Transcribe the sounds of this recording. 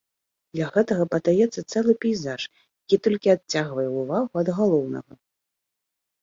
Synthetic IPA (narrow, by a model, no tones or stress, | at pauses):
d̪lʲaɣɛt̪ɐɣɐpɐd̪ajɛt̪sːɐt̪sɛlˠɨpʲɛjzaʂ | jakʲit̪ɔlʲkʲiat̚t͡sʲːaɣvɐjɛuvaɣuɐd̪ɣalˠɔwnɐ̰ɣɐ